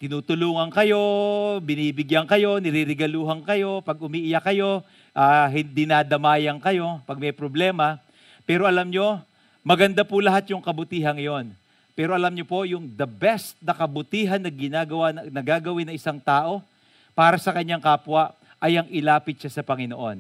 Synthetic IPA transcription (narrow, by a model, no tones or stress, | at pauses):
t̪ɪnuːt̪ʊluːŋɐŋkɐjo̞bɪniːbɪɡjɐŋkɐjo̞nɪɾiːɾɪɡɐluːɦɐŋkɐjo̞pɐɡ̚ʊmiːʔɪjakɐjo̞ | ʔaːɦɪnd̪inad̪ɐmaːjɐŋkɐjo̞pɐɡ̚mɛjpɾoblɛːmɐ | pɛːɾo̞ʔɐlamɲo̞ | mɐɡɐnd̪apʊlɐɦat̪̚jʊŋkɐbʊt̪iːɦɐŋjo̞n | pɛːɾo̞ʔɐlamɲopo̞jʊŋd̪ɐbɛst̪̚nɐkɐbʊt̪iːɦɐnːɐɡɪnaɡɐwanɐɡaːɡɐwɪnːɐŋʔɪsaŋt̪aːʔo̞ | paːɾɐsɐkɐɲːaŋkaːpwɐ | ʔɐjɐŋʔɪlaːpɪt̪̚t͡ʃasɐpɐŋɪnoʔo̞̰n